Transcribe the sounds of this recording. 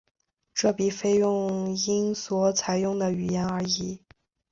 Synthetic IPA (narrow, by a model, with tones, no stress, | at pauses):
ʈ͡ʂɤ˥˩pi˨˩fe˥ɪjʊ˥˩ŋi˥ŋswɔ˧˥t͡sʰa˧˥ɪjʊ˥˩ŋd̪ə˩y˨˩jɛ˧˥nə˞˧˥i˧˥